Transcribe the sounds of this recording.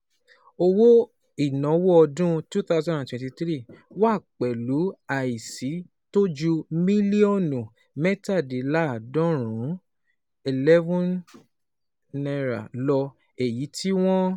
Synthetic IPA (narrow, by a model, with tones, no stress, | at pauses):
o˧wo˦ | i˦˨nɔ̃˨˦wo˦ɔ˧dũ˦tu˦θa˦zɔ̃˦dã˨twɛ̃˨˦ti˧t̪ɾi˦˨wa˦˨k͡pɛ˨lu˨˦a˨i˨si˨˦ | to˦d͡ʒu˧mĩ˦li˦o˦˨nũ˨ | mɛ˦ta˦˨di˨la˦˨dɔ̃˦ɾ̃ũ˨˦ | i˨lɛ˦vɔ̃˦n | nɛ˧ɾa̰˨lɔ˧ | e˨ji˨˦ti˦w̃ɔ̃˦